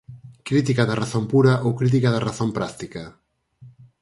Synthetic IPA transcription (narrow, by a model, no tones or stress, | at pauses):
kɾit̪̬ikaðɐraθompuɾɐʔowkɾit̪̬ikaðɐraθõmpɾast̪ikɐ